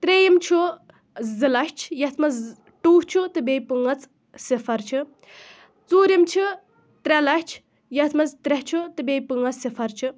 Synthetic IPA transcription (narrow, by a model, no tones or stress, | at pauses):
t̪ɾejimt͡ʃʰu | zɨlɐʃt͡ʃʰjɐt̪ʰmɐz | ʈuːht͡ʃʰut̪ɨbʲeːjpɨŋɐt͡s | sifɐɾt͡ʃʰi | t͡suːɾimt͡ʃʰi | t̪ɾʲɛlɐʃt͡ʃʰ | jɐt̪ʰmɐzt̪ɾɛht͡ʃʰut̪ɨbejpɨŋɡɐt͡ssifʰɐɾt͡ʃʰɨ